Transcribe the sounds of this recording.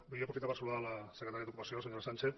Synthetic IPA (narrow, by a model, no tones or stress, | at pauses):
beapɾofit̪aβasulaðalaseket̪aɾiaðokupasioasβaɲalsant͡ʃeθ